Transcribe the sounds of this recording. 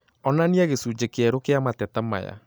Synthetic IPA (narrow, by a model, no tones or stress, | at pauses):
ɔnaniaɣesud͡ʒekɛɾokeamatɛtama̰ja̰